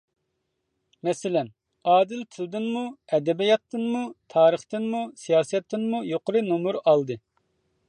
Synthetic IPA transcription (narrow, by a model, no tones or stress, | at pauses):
mɛsɪlɛn | ɑːd̪ɪlt̪ʰɨld̪ɨnmuɛd̪ɛbijɑt̪ːɨnmut̪ʰɑːɾəχt̪ɨnmusijɑːsɛt̪ʰːɨnmujoqʊɾɨnomuɾɑlˠd̪ɨ